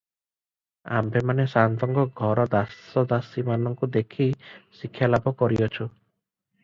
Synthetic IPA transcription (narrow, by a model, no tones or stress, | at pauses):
a̰mbʱemanesant̪ɔŋɡɔɡʱɔɾɔd̪asɔd̪asimanɔŋkud̪ekʰisikʰːjalabʱɔkɔɾiɔt͡ʃʰu